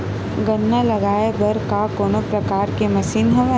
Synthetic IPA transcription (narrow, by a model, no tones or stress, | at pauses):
ɡɐnːalɐɡaːebɐɾkakoːnopɾɐkaːɾkemɐʃiːnɦɐm